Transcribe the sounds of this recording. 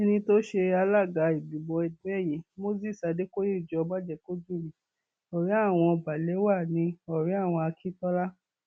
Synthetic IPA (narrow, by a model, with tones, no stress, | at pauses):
ɛ˧nĩ˧to˦ʃe˧a˧la˦˨ɡa˨˦i˨bĩ˨bɔ˧ɛ˨du˨˦ɛ˦˨ji˨˦mo˦zi˦˨sa˨˧de˦ko˦e˦˨d͡ʒɔ˧ba˦d͡ʒɛ˦˨ko˦d͡ʒu˦˨mĩ˨˦ | ɔ˨ɾĩ˨˦a˦˨w̃ɔ̃˧ɔ˧ba˨le˨˦wa˦˨nĩ˧˦ɔ˨ɾĩ˨˦a˦˨w̃ɔ̃˧a˧kʰi˦tɔ˦la˦